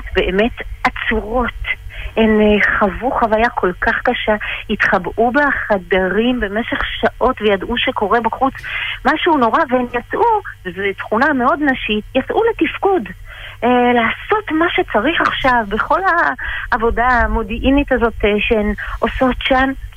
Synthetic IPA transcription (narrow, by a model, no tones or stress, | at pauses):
be̞eme̞tat͡suʁo̞tenχavuχavajakʰo̞lkaχkaʃait̪χabubaχadaʁimbe̞meʃeχʃaʔo̞tvejadʔuʃe̞ko̞ʁe̞baχut͡smaʃuuno̞ʁaveenjat͡sʔuvezetχunameo̞dnaʃitjat͡sʔuletifkud | laːso̞tmaʃet͡saʁiχaχʃavbe̞χo̞laːvo̞damodiʔinitazo̞teʃeenʔoso̞tʃan